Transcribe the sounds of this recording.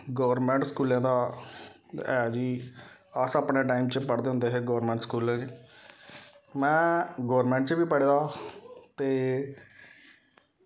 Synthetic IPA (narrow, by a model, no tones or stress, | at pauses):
ɡəʋəɾmɛ̃ːɳʈskuːlɛ̃ːd̪aː | ɛːd͡ʒiː | əsəpneːʈaːimt͡ʃəpəɽd̪eːɦʊ̃nd̪eːɦeːɡəʋəɾmɛ̃ːɳʈskuːlɛ̃ːd͡ʒe | mɛ̃ːɡəːəɾmɛ̃ːɳʈt͡ʃbiːpəɽeːd̪aːt̪eː